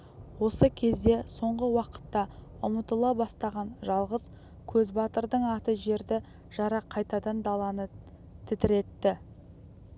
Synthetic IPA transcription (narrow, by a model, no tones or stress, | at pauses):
wo̞səkʲʰe̞zd̪e̞so̞ɴʁəwɑqə̥t̪ːɑ | ʊmət̪əlˠɑbɑst̪ɑʁɑnʒɑlˠʁəz | kʲʰɵzbɑt̪əɾd̪əɴɑt̪əʒe̞ɾd̪ɪ | ʒ̥ɑɾɑqʰːɑjt̪ɑd̪ɑnd̪ɑlˠɑnə | t̪ʰɪt̪ɪɾe̞t̪ːɪ